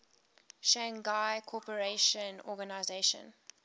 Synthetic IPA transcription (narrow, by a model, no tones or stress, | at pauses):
ʃãŋɡaɪkʰɔpəɹeʃə̃nɔɡanaɪzeɪʃə̰̃n